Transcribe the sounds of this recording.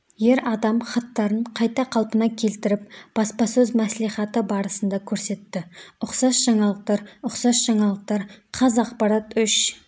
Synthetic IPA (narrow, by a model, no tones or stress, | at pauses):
je̞ɾɑd̪ɑmχɑt̪ːɑɾəɴqʰɑjt̪ɑqʰɑlˠpənɑkʲʰe̞lt̪ɪɾɪp̚b̥ɑspɑsɵzmæsliχɑt̪əbɑɾəsənd̪ɑkʲʰɵɾse̞t̪ːɪʊqsɑsʒ̥ɑɴɑlˠəq̚t̪ɑɾʊqsɑsʒ̥ɑɴɑlˠəq̚t̪ɑɾqʰɑzɑqpɑɾɑt̪ʏʃ